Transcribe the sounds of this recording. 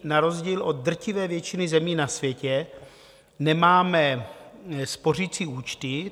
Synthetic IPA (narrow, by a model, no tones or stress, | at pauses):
naɾo̞zɟiːlʔo̞d̪̚d̪r̩cɪvɛːvjɛt͡ʃɪnɪzɛmiːnasvjɛcɛ | nɛmaːmɛ | spo̞rit͡siːuːt͡ʃt̪ɪ